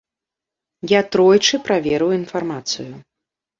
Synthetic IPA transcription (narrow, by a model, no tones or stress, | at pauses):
jat̪ɾɔjt͡ʂɨpɾavʲɛɾɨwinfarmat̪sɨju